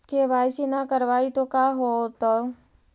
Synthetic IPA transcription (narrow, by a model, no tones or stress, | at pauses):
keʋaːjsinakəɾʋaːit̪okaːɦot̪o